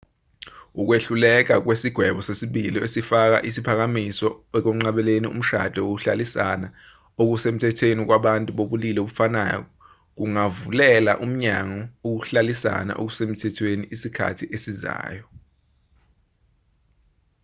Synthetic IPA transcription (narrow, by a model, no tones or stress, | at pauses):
uk̬weɬulɛk̬ʼak̬wesiɡ̥ʱwɛɓɔsesiɓiliesifak̬a̰ʔisipʰak̬amisɔɛk̬om̩ŋ͡ǁaɓɛleniṵm̩ʃa̰d̥ʱɛok̬uɬalisana | ok̬usem̩tʰɛtʰwenik̬waɓantʼuɓoɓulilɛoɓufana̰ːjɔ̰ɔ | k̬uŋavulɛla̰ʔum̩ɲaŋɔok̬uɬalisa̰na̰ʔo̰k̬usem̩tʰɛtʰweniʔisikʰa̰tʰiʔesiza̰ːjɔ